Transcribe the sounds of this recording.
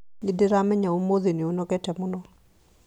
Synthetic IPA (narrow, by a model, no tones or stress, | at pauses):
ɪdɪɾamɛɲaumoðeniunɔkɛtɛmʊnɔ